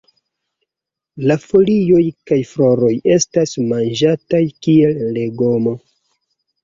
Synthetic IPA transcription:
lafo̞lio̞jkajfɾo̞ɾo̞je̞stasmand͡ʒatajkie̞lle̞ɡomo̞

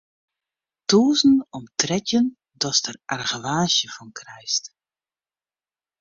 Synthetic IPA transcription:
toːzn̩ɔmtrɛtjən | dɔstərʔarɣəʋaːsjəfɔnkʰrɛjst

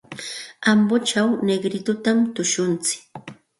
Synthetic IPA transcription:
ambot͡ʃawneɡɾɪt̪ʊt̪amt̪ʊʃʊnt͡sɪ̥k

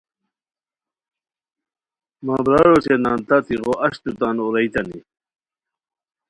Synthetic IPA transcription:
maːbɾaɾoɕenaːnt̪at̪iʁoʔɐɕt̪ut̪anoɾɐit̪ɐnḭ

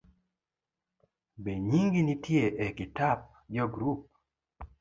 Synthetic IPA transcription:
beɲiŋɡinitjeʔekitap̚ | d͡ʒɔɡɾup̚

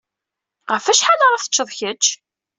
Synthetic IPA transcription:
ʁəfæʃħaləɾˤɑθə̥t͡ʃːəðˤçət͡ʃː

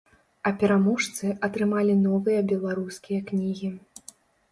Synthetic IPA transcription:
ɐpʲɛɾamɔʂt̪sɨʔɐt̪ɾɨmalʲinɔvɨjɐbʲɛlˠaɾuskʲijɐknʲiɣʲi

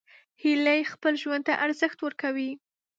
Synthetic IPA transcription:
hilajxpəlʒwand̪̚t̪aʔaɾzəxt̪wəɾkawi

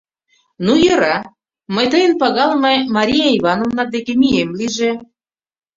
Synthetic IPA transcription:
nujɤ̆ɾɑ | məjt̪əjənpɑɣɑlmemɑɾʲijɑiβɑnovnɑd̪ekemiemliʒe

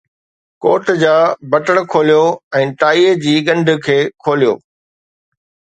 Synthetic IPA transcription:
koːʈd͡ʑaːbɐʈəɽkʰoːlijoɛ̃ːʈaːiːed͡ʑiːɠɐ̃ɳɖʱkʰeːkʰoːlijo̰ː

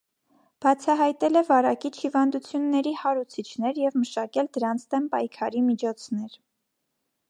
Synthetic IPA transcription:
b̥ɑt͡sʰɑɦɑjt̪ɛlɛvɑɾɑkit͡ʃʰhivɑnd̪ut͡sʰjunːɛɾihɑɾut͡sʰit͡ʃʰnɛɾjɛvməʃɑkɛld̪əɾɑnt͡sʰd̪ɛmpɑjkʰɑɾimit͡ʃʰɔt͡sʰn̪ɛɾ

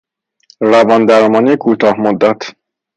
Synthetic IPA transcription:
ɾævɒːnd̪æɾmɒːniekʰuːt̪ʰɒːhmod̪ːæt̪ʰ

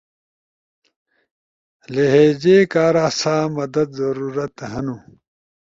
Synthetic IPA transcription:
leɦeːd͡ʑeːkaːɾaːsaːmɐd̪ɐd̪zɐɾuːɾɐt̪ɦɐnu

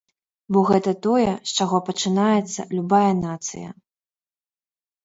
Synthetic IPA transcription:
bɔɣɛt̪ɐt̪ɔjɛst͡ʂaɣɔpɐt͡ʂɨnajɛt̪sːɐ̰lʲubajɐnat̪sɨ̰jɐ̰

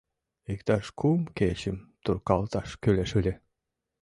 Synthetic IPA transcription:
ikt̪ɑʃkʰumket͡ɕimt̪urkɑlˠt̪ɑʃkylʲeʃylʲe

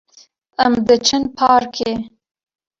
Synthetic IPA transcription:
amd̪ət͡ʃənpʰɑːɾkʰe

